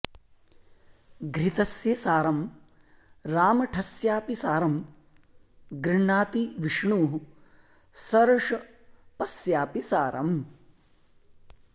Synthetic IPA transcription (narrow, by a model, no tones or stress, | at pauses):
ɡɾit̪ɐsjɐsaːɾɐm | ɾaːmɐʈʰɐsjaːpisaːɾɐm | ɡɾiɳːaːt̪iʋiʂɳuːɦu | sɐɾɐʂɐ | pɐsjaːpisaːɾɐ̰m